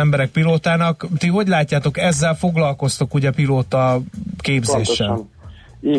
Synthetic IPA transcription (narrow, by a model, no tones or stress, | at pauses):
ɛmbɛɾɛk̚piloːt̪aːnɒkt̪iɦo̞ɟlaːcːaːt̪o̞kɛzːɛlfo̞ɡlɒlko̞st̪okuɟɛpiloːt̪ɒkeːbzeːʃː